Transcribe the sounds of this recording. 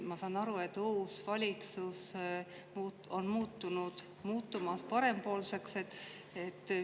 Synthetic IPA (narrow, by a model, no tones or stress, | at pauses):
mɑsɑːnɑɾue̞t̪ːuːsvɑlʲit̪sus | mu | o̞nmuːt̪ːunud̪̥ | muːt̪ːumɑspɑɾe̞mpo̞ːlse̞kse̞t̪ː | et̪ː